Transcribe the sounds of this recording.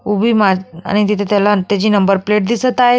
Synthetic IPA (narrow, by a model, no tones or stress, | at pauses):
ubʱiːmaa̰ɽ̃it̪it̪ʰet̪jalat̪jad͡ʑiːnəmbəɾpleʈ̚d̪isət̪ae